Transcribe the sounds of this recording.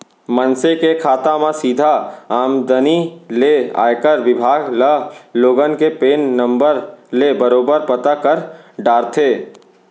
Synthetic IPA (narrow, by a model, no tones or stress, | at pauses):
mənsekekʰaːt̪ãmãsiːd̪ʱaaːmd̪ənilea̰ːjkəɾʋɪbʱaːɡləloːɡənkepeːnːə̃mbəɾlebəɾoːbəɾpət̪akɐɾɖaːɾt̪ʰeː